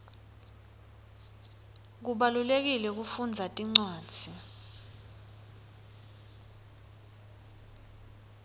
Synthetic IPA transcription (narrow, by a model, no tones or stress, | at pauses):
k̬uɓalulek̬ilɛk̬ufund͡zʱatʼiŋ͡ǀwḁːt͡sʰi